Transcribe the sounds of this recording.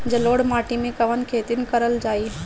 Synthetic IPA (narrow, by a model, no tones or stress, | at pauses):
d͡ʒɐloːɽmaːʈimẽkɐʋənkʰeːt̪inkəɾəld͡ʒaːi